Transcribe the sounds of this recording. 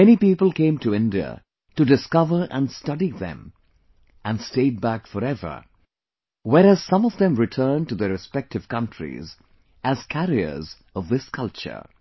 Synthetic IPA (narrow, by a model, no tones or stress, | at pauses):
ɛñipipəl̩ˠkʰẽɪ̃mtʰuɪ̃ndiə̰ | tɨdɨskʌvə˞ʔə̃nstʌɾiðɛ̰̃m | æ̃nsteɪd̚bækfəɾɛvə̰˞ | wɛɾæz̥sʌ̃mɔvðɛ̃mɹɨtʰɜ̃˞ntuðəɾɨspɛk̚tɨv̥kʌ̃ntʰɹ̥ḭz | æz̥kʰæɾiə̰˞z | ʌvðɪskʰʌlˠt͡ʃə̰˞